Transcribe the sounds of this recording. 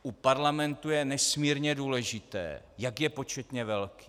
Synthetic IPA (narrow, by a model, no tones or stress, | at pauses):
ʔupaɾlamɛnt̪ujɛnɛsmiːɾɲɛduːlɛʒɪt̪ɛ̰ːjakjɛpo̞t͡ʃɛt̪ɲɛvɛlki̥ː